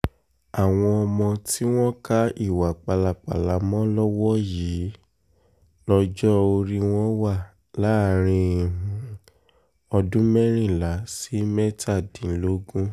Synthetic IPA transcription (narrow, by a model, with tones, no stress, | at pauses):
a˨w̃ɔ̃˧ɔ˧mɔ̃˧ti˦w̃ɔ̃˦ka˦i˦˨wa˨k͡pa˨la˨k͡pa̰˨la˨˦mɔ̃˦lɔ˦wɔ˦ji˨˦ | lɔ˧d͡ʒɔ˦o˧ɾi˦w̃ɔ̃˦wa˦˨ | la˨˦˨ɾ̃ĩ˧˨ɦũ˨ | ɔ˧dũ˦mɛ˦ɾ̃ĩ˦˨la˨˦si˨˦mɛ˦tʰa˦˨dĩ˨˦lo˦ɡũ˦